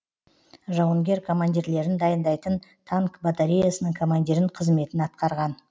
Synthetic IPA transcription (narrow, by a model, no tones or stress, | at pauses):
ʒɑwəŋɡʲe̞ɾkʰo̞mand̪ʲiɾle̞ɾɪnd̪ɑjənd̪ɑjt̪ənt̪ʰaŋkbat̪aɾʲijasənəɴkʰo̞mand̪ʲiɾɪɴqʰəzme̞t̪ɪnɑt̪̚qɑɾʁɑn